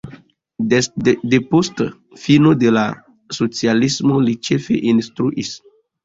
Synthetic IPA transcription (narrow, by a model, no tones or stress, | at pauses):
depost | finodela | sot͡sialismolit͡ʃefḛʔinstɾuʔis